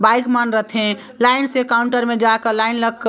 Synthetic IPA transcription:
bajkmanɾət̪ʰẽ | laɪnsekauɳʈəɾmẽd͡ʒakəlaɪnləɡk

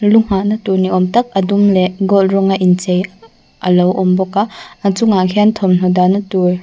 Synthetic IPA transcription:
luŋ̥aʔnɐtuɾniɔmtɐk̚ɐdumleʔɡɔlɾɔŋaʔint͡ʃej | ɐlɔwʔɔmbɔkaat͡suŋakʰiant̪ʰɔmn̥ɔdanɐtuj

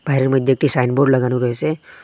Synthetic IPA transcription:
b̥aɦɾeməd̪ʱjək̚ʈisaɪnboɾɖləɡanũɾəɦese

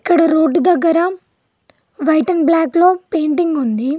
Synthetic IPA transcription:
ikːɐɽɐɾoːɖd̪ɐɡːɐɾɐ | ʋɐjʈɐnblaːklo̞ːpe̞ːɳʈiŋɡund̪i

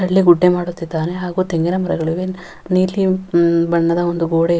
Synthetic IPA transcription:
ɐɭːiɡuɖːemaːɽut̪ːit̪ːaːneɦaːɡuːt̪eŋɡenɐmɐɾɐɡɐɭiʋe | niːlibɐɳːɐd̪ɐond̪uɡoːɽe

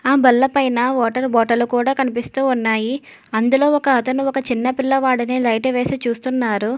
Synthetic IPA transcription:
aːbɐlːɐpɐjnaːʋɔːʈɐɾbɔːʈɐlukuːɽaːkɐnipist̪uːunːaːji | ɐnd̪ulo̞ːɔkɐːt̪ɐnuɔkɐt͡ʃinːɐpilːɐʋaːɽɐnilɐjʈɐʋe̞ːsit͡ʃuːst̪unːaːɾu

